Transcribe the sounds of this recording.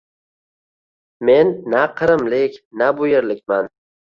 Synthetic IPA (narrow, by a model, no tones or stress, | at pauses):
me̞nːaqʰɨɾɪmlɪkʲnabʊjeɾlɪk̚ʲman